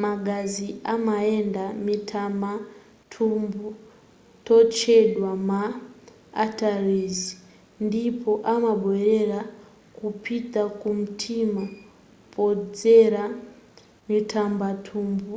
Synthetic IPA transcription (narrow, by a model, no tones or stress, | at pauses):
maɡaziamaendamitʰamba | tʰumbu | tɔt͡ʃɛɗwama̰ː | tarizi | ndipɔʔamaɓwɛɾɛɾa | kupʰitakum̩tʰima | pɔd͡zɛɾa | mitʰambatʰuːmbu